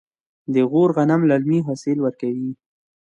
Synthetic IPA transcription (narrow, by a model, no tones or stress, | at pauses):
d̪əɣoɾɣanamlalmiɦasɪlwəɾkawi